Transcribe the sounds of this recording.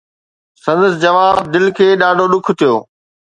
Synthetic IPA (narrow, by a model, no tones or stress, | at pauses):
sɐ̃nd̪əs̬d͡ʑɐʋaːbd̪ɪlkʰeːɗaːɖʱoɗʊkʰt̪ʰijo̰ː